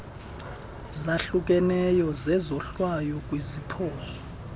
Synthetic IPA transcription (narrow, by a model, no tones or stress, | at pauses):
zaɬuk̬ʼɛnɛjɔzɛzɔɬwajɔkʼwizipʰɔːsɔ̥